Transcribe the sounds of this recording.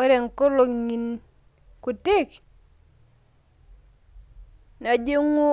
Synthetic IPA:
ɾɛ˨ŋ˨ko˦lo˨ŋi˨n | ku˨te˦k | na˨d͡ʒe˦ŋo˦

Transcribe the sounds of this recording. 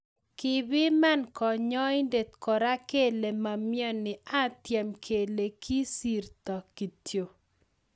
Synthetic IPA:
kɪ˨bɪ˦ma˦nkɔ˨ɲɔ˦jnde˨t̪kɔ˨ɾa˦ke˦le˨ma˨mjɔ˦nɪ˨a˦t̪jɛ˨mkʰe˨le˨kʰi˦si˨rt̪ɔ˨ki˨tjo˨

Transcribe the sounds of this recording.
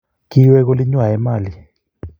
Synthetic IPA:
k̬iwɛ˦k̬o˦li˦ɲwa˨ɛ˨˦maː˨li

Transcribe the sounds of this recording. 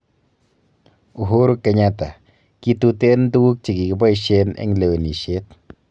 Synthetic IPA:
u˨ɦu˦ɾka˧ɲa˧t̪a˨ | ki˦t̪u˧t̪e˦n˦d̪u˦u˦k̚t͡ʃi˨ɡi˨ki˦ba˦jʃe˧nḛ˦ŋle˨wni˨ʃe˦t̪̚

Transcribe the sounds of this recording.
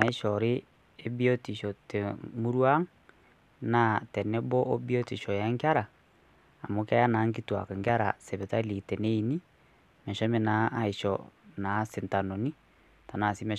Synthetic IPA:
na˨i˦ʃɔ˨ɾe˦ | e˦bi˦ɔ˦ti˨ʃɔ˨te˨mu˦ɾwa˦ŋ | na˨tɛ˨nɛ˦bɔ˦ʔo˦bi˦ɔ˦ti˨ʃɔ˨ja˨˦ŋɡa˦ɾaː˨ | mo˨ka˦ja˦na˨˦ŋɡi˦twa̰˨ka˨ŋɡa˦ɾa̰˨sɛ˨βɛ˨ta˦li˨tɛ˨nɛ˦i˨ni˦ | mɛ˨ʃɔ˦me˨naː˨˦i˨ʃɔ̰na˨˦sɛ˨nta˨no˨ni˦ | ta˨na˨si˦mɛ˨

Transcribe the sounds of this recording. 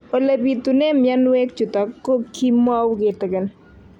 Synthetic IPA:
o˨le˨bi˨t̪u˨ne˦mjɛ˦nwe˦k̚t͡ʃu˨t̪ɔ˨kːo˦kʰi˦m˦a˦wɡɪ˨t̪ɡɪ˨n

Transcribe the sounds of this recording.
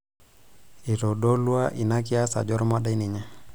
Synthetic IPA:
i˨tɔ˨ɗɔ˦lwa˦ʔi˨na˦k̬i˦a˦sa̰˨d͡ʒɔ˦ɾɔmaɗa˦ini˨ɲa˦

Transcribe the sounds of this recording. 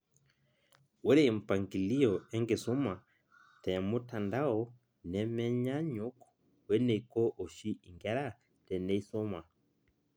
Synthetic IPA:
we˦ɾeː˦˨m̩˨pa˨ŋɡi˨li˦ɔ˨ɛ˦ŋɡe˨so˦ma˨ | tɛ˨mo˦ta˨nda˦ɔ˦ | nɛ˨mɛ˦ɲa˦ɲo˦k | wɛ˦ne˨i˨ko˦ʔo˨ʃi˦i˨ŋɡɛ˦ɾa˦ | tɛ˨ne˦i˦so˦ma˨

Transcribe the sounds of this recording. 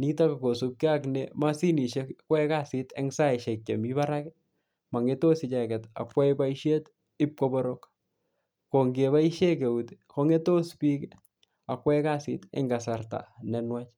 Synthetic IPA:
ni˦ta˦ka˨ko˨su˦p̚kɪ˦aknema˦si˦ni˨ʃɛkwɛ˦ka˦sɪ˦tɛ̰˦ŋsa˦ɛ˨ʃɛ˨k̚t͡ʃe˨mi˦ba˦ɾakɛ | ma˨ŋe˦to˦sɪ˨t͡ʃa˨kɛ˨ta̰˨kwɛ˦iba˦iʃje˦t | ɪ˦p̚kobɔɾok | ko˨ŋɡe˨βa˦iʃɛ˦k̬e˨u˨tko˦ŋe˦to˦spi˦k | a˨kwɛ˦ka˦sɪ̰tɛ̰˦ŋɡa˨sarta̰˨nɛ˨nwat͡ʃ

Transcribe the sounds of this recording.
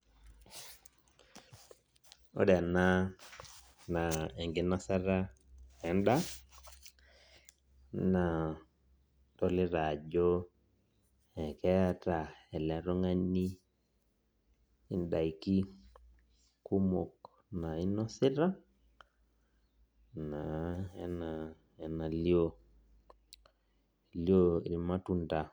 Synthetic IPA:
o̰˦dɛ˨na˦ | na˨ɛ˨ŋɡɪ˨na˦sa˦ɾa˦ | ɛ˨nda˦ | na˨ | tɔ˦lɪ˦ɾa˨d͡ʒo˦ | ɛ˨kɛ˦a˦ta˨ɛ˨lɛ˨ɾɔ˦ŋa˦ni˦ | i˦nda˨i˨ki˦ | ku˦mo˨k | na˨i˦nɔ˦si˦ɾa˦ | na˨ɛ˦na˨ | ɛ˨na˨li˦o˦˨ | ljo˦˨ɾi˨ma˦tu˦nda˨

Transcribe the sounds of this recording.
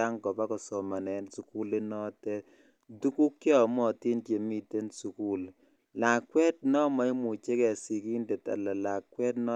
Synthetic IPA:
a˦ŋkɔ˨pa˦kɔ˨sɔ˨ma˨nɛ˨nsu˨ku˦le˦nɔ˦tɛ˦ | du˦ku˦kːjɔ˦˨mɔ˦˨tɪ˦ntje˨mi˦te˦nsu˨ku˦l | la˨kwɛ˦t̚nɔ˦ma˦i˦mu˨t͡ʃe˦kɛ˨si˨ki˦ndɛ˨ta̰˨la˨la˨kwɛ˦tnɔ˦

